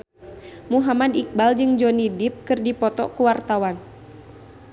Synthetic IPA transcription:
muɦamadik̚bald͡ʒɨŋd͡ʒɔnidɪp̚kɨrdipɔt̪ɔ̰kuwart̪awan

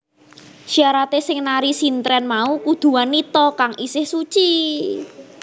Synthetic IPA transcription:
ʃiaɾat̪esɪŋnaɾisint̪ɾɛnmaukud̪̥ṳanːit̪ɔkaŋʔisɪhsut͡ʃi

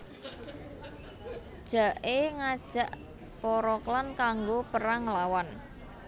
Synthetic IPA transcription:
d̥ʒ̥a̤ʔeŋad̥ʒ̥a̤ʔ | pɔɾɔklankaŋɡopəɾaŋlawan

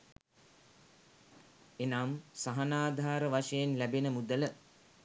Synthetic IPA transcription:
enamsaɦɐnaːd̪ʱaːɾəʋaʃəjenlæbenəmud̪ələ

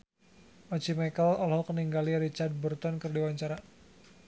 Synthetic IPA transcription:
ɔd͡ʒimakəlɔlɦɔkəniŋɡaliɾit͡ʃard̪̚bərt̪ɔnkərdiwaɲt͡ʃaɾa

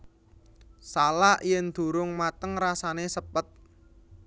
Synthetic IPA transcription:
salaʔjɛnd̪̥ṳɾʊŋmat̪əŋɾasanesəpət̪̚

